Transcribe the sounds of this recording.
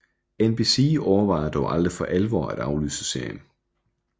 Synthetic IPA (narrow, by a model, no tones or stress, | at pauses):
enb̥isiːʔɒʊɐʋɑ̈ɪɐd̥ɒʊʔɑld̥ʁifɒ̽ʔælʋɒ̰ːæd̥ɑ̈ʊly̰ːsəse̝ɐ̰jən